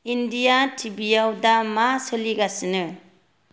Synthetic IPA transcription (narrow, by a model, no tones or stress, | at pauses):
indijatʰibijawdamasɯliɡasɯnɯ